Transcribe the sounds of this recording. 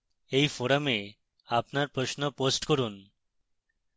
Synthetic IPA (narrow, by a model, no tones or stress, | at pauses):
ejfoɾame | apnaɾpɾoʃnoposʈkoɾun